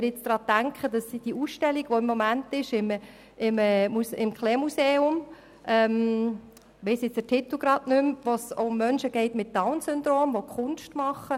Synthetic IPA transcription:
ɪɾjɪt͡sd̥ɾɑːtæŋkχəd̥ɑsːid̥iuːsʃtɛliɡ̥ʋoɪmːomæntɪʃɪm | ɪməmusɪmkʰlɛːmuseːʊm | ʔɛm | ʋɛɪsjɪt͡sətʰit̪l̩ˠɡ̥ɾɑdnʏmʋosoʊmːœnʃəɡ̥ɛɪtmɪt̚tːaʊnsʏndɾoːmʋokʰχʊnʃtmɑχə

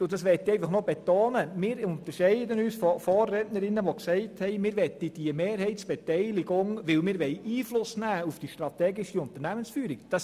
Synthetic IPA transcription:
ʊd̥ɑsʋɛt̪iɛɪfɑχnobet̪oːnəmɪːɾʊnt̪əɾʃɛɪdənyːsfɔfɔːrːɛtnəɾɪnːəʋoksɛɪthɛɪmɪːɾʋɛt̪id̥iəmeːɾhɛɪt̪sb̥ɛtɛɪlɪɡʊŋʋɪlmɪːɾʋɛɪʔiːflʊsnæːufd̥iʃtɾɑt̪ɛːɡɪʃiʊnt̪əɾnæmənsfyːəɾikd̥ɑs

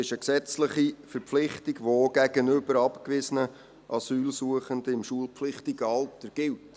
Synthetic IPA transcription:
ɪʃəksɛt͡sləχifəɾpflɪχtiɡʋoɡ̥æɡənʏbəɾɑpkʋɪsənə | ʔɑsyːlsuəχəndəɪmʃuəlˠpflɪχtɪɡəɑltəɡ̥ɪlt

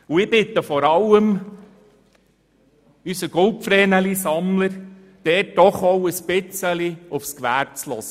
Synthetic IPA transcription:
uɪb̥ɪt̪əfɔɾɑləm | ysəɡ̥ɔlpfɾɛːnəlisɑmləɾ | d̪̥ɛːt̚d̥ɔχɔwəspɪt͡səliʊfskʋæːɾt͡slɔsə

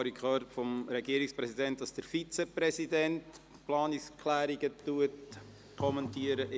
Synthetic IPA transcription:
ɾikʰχœɾtfɔmɾɛɡiəɾɪkspɾɛsidɛntdɑsd̥əɾfit͡seprɛsidɛnt | plɑːnɪkskʰlæːɾiɡ̥ətuət | kʰɔmɛntiːəɾəʔ

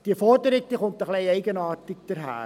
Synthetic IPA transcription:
d̥iəfɔrdəɾɪk̚d̥iχʊnt̪əχleɪɛɪɡənɑːrtɪk̚d̥əɾɦæ̰ː

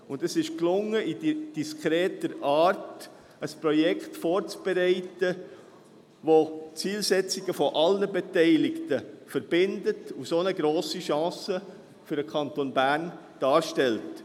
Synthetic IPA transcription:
ʊndəsɪʃklʊŋːəidid̥iskχɾɛːtəɾɑːɾt | əspɾɔjɛkχtfɔːɾt͡sb̥ɛɾɛɪtə | ʋot͡siːlsɛt͡siɡəfɔʔɑlnəbɛtɛɪlɪktəfəɾb̥ɪndətusonəɡɾoːsiʃɑ̃ːsə | fyɾəkʰɑntonbæːɾn | d̥ɑːɾʃtɛlt

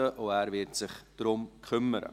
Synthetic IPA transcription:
əʔoæːɾvɪɾtsɪχd̥rʊmkʰχʏməɾə̰

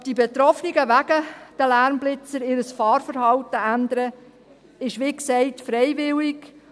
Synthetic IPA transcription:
d̥ibet̪ɾɔfniɡəʋæɡ̥əd̥əlæɾmblɪt͡səɾɪːɾəsfɑːɾfəɾhɑwtəænd̪əɾə | ɪʃʋiːksɛɪtfɾɛɪʋɪlik

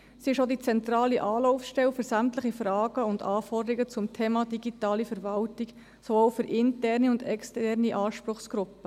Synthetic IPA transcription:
siɪʃodit͡sɛnt̪ɾɑːliʔɑːlɔʊfʃtɛwfʏɾsæmtləχifɾɑːɡ̥əʊndɑːfɔrdəɾiɡət͡sʊmtʰeːmɑd̥iɡitɑːlifɛɾvɑltik | soowfʏɾʔɪntɛːrniʊndɛkstɛrniʔɑːʃpɾʊχsɡ̥ɾʊpːə

